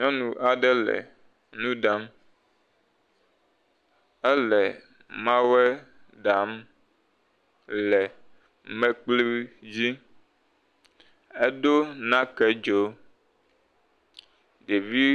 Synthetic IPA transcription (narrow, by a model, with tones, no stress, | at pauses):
ɲɔ̃˦nũ˨ʔa˨ɖɛ˦lɛ̰˨ | nũ˦ɖa˦m | ɛ˦lɛ˨ | mã˦wɛ˦ | ɖa˨m | lɛ˨ | mɛ̃˦k͡pli˦wd͡ʑi˦ | e˦ɖo˦nã˦kɛ˦d͡ʒo˦ | ɖe˨vi˦